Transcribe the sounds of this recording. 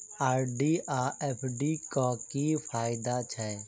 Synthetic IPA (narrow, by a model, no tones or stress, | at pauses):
aːɾɖiːʔaːʔɛːpʰɖiːkaːkifʰaːɪd̪at͡ʃʰɛ